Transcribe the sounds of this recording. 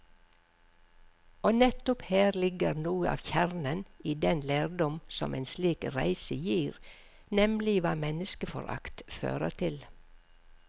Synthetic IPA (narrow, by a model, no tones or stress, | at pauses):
oːnɛt̪ʊpheːɾlɪɡəɾnuːəʔɑ̰ːʋçæɾnəniːd̪ɛnleːɾd̪ɔmsɔ̰mʔeːnsliːkɾæ̰ɪsəjiːɾ | nɛmlɪʋɑːmɛnəskəfɔ̰ɾʔɑ̰kt̪fø̰ːɾə̰ɾt̪ʰɪl